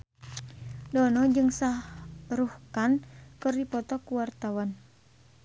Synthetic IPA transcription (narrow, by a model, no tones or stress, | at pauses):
dɔnɔd͡ʒɨŋsaɾuhkankɨrdipɔt̪ɔkuwart̪awan